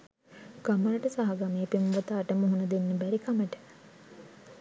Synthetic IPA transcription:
ɡ̥aməɾəʈəsaɦaɡameːpemʋət̪aːʈəmuɦunɐd̪enːəbæɾikaməʈə̥

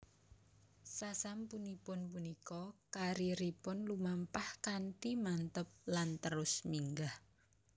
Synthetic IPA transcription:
sasampunipʊnpunikɔkaɾiɾipʊnlumampahkanʈimant̪əp̚lant̪əɾʊsmiŋɡah

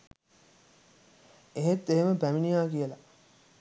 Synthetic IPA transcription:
eɦet̪ːeɦeməpæminijaːkijəla

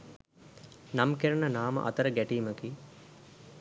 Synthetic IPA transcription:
namkeɾənənaːmə̰ʔɐ̰t̪əɾəɡæʈiːməkiː

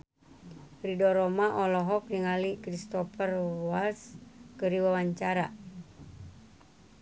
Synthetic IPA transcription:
fɾidɔɾɔmaʔɔlɔɦɔk̚niŋalikɾist̪ɔfərwalskəɾiwawaɲt͡ʃaɾa

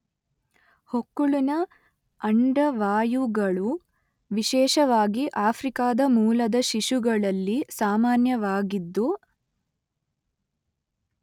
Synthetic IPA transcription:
hokːuɭunɐ | ɐɳɖɐʋaːjuɡɐɭu | ʋiʃɛːʃɐʋaːɡiʔaːpʰɾikaːd̪ɐmuːlɐd̪ɐʃiʃuɡɐɭɐlːisaːmaːnjɐʋaːɡid̪ːu

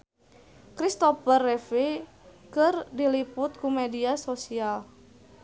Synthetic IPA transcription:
kɾist̪ofərːefe | kɨrdilipʊt̪̚kumediasosial

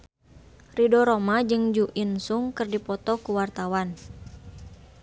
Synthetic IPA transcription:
ridɔɾomad͡ʒɨŋd͡ʒuʔinsuŋkɨrdipɔt̪ɔkuwart̪awan

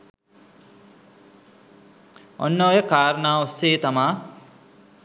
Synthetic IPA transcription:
o̰nːoːjəkaːɾənaːosːeːt̪amaː

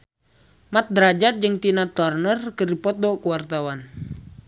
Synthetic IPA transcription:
mat̪̚dɾad͡ʒat̪̚d͡ʒɨŋt̪inat̪ɔrnərkərdipɔt̪̚dɔkuwart̪awan

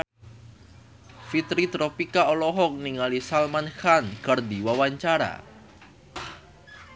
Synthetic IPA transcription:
fit̪ɾit̪ɾɔpikaɔlɔɦɔk̚niŋalisalmanxankərd̪iwawaɲt͡ʃaɾa̰

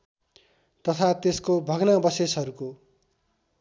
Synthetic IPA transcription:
t̪ʌt̪ʰat̪eskobʱʌɡnabʌsesɦʌɾuko

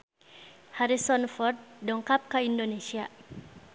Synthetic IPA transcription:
haɾisɔnfɔrt̪̚dɔŋkap̚kaindonesia

